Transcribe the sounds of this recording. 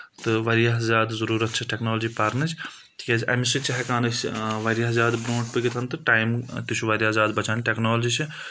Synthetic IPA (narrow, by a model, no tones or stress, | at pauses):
t̪ɨʋɐɾijaɦzaːd̪zɐɾuːɾɐt̪̚t͡ʃʰɐʈeknoːld͡ʒipaːɾnɨt͡ʃʰ | t̪ʰikʲaːt͡ʃʰʔɐ̰misit͡ʃɐɦɛkaːnɨsʋɐɾjaːzaːd̪bɾõːʈ̚pɨɡit̪ʰɐnt̪ɨʈaːjmt̪ut͡ʃʰuʋaɾijaːzaːd̪bɐt͡ʃaːnʈeknaːld͡ʒiːt͡ʃʰi